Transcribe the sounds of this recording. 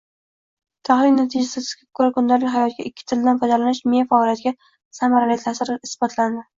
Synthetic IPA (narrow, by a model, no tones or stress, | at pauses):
t̪ʰahlɪnːat̪ʰɪd͡ʒasɪzɪz̥ɡʲakʰʊɾakʊnd̪aɾlɪɦajɒt̪̚ɡʲaʔɪkʲʰːɪ̥t̪ʰɪlɪd̪anfad̪alanɪʃmijafaɒlʲjat̪ɡʲa | samaɾalit̪ʰasɪɾɪɪsbɒt̪ʰland̪ɪ